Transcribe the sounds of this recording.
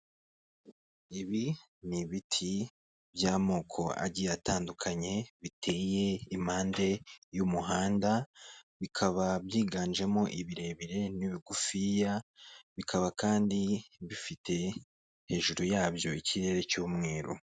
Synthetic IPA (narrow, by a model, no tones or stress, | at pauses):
iβi | niβitʰi | bjaːmoːkʰo̞a̰ɟiataːndukʰaɲe̞βitʰe̞je̞im̥haːnde̞jumuɦaːndaβikʰaβabjiːɡaːnd͡ʒe̞mo̞ʔiβiɾe̞ːβiɾe̞niβiɡufijaβikʰaβakaːndiβifitʰe̞ | he̞ːʒuɾujaːbjo̞iciɾe̞ɾe̞cuːmŋe̞ːɾo̰